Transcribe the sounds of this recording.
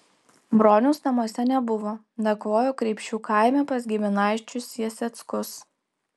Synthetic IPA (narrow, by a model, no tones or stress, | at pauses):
bɾoːnʲʊːsnɐmuɔsʲɛnʲɛbʊʋoː | d̪ɐkʋoːjoːkɾʲɛɪpʲʃʲuːkʰɑˑɪmʲɛpɐsɡʲɪmʲɪnɑˑɪt͡ʃʲʊsʲjiɛsʲɛt̪skʊs